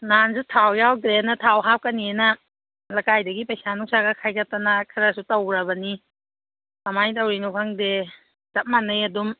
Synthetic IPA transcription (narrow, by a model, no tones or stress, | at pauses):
nansutʰawjawɡɾenɐtʰawɦap̚kɐnienɐ | lɐkajdɐɡipɐjsanuŋsaɡɐkʰajkap̚tanakʰaɾasutɐwɾabɐni | kamajtawɾinukʰaŋde | tat̚manɯjɐdum